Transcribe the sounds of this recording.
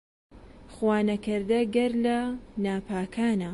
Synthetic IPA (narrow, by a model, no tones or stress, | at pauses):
xwaːnɐkɨɾd̪ɐɡɐɾlɐnaːpʰaːkʰaːnɐ